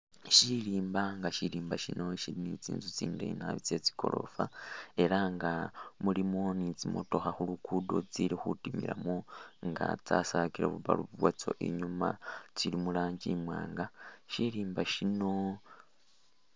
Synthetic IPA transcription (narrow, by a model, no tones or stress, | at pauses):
ʃiɾiːmbaŋɡaʃiɾiːmbaʃino̞ʃiɾinit͡sḭːnzut͡siːndḛnaβit͡se̞t͡si̥ko̞̰ɾo̞̰fae̞ɾaŋɡamulimonit͡simo̰to̞xaxulukudot͡siɾixutimḭɾamoŋɡa̰t͡sasakiɾeβuβa̰luβuβwat͡so̞̰ʔiɲumat͡silimulaːɲɟimwaːŋɡaʃiɾiːmbaʃino̞